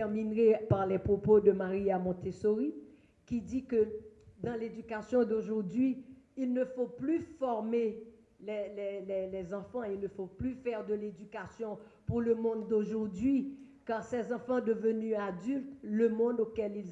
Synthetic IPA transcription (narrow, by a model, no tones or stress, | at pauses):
ɛʁminʁepaʁlɛpχopod̪əmaʁiamɔ̃t̪esoʁi | kid̪ikəd̪ɑ̃led̪ykasjɔ̃d̪oʒuʁd̪ɥiilnəfoplyfɔʁme | lɛlɛlɛlɛzɑ̃fɑ̃ilnəfoplyfɛʁd̪əled̪ykasjɔ̃ | puʁləmɔ̃d̪ːoʒuʁd̪ɥi | kaʁsɛzɑ̃fɑ̃d̪əvənyad̪ylt̪ləmɔ̃d̪okɛlilz